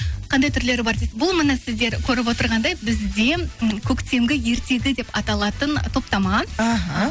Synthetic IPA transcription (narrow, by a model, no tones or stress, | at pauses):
qʰɑnd̪ɑjt̪ʰʏɾle̞ɾbɑɾd̪ebʊlˠmənɑsɪzd̪e̞ɾkʲʰɵɾɪp̬wo̞t̪əɾʁɑnd̪ɑjbɪzd̪e̞kʲʰɵkt̪e̞mɡʲɪje̞ɾt̪e̞ɡʲɪd̪e̞pɑt̪ɑlˠɑt̪ənt̪ʰo̞pt̪ɑmɑɦ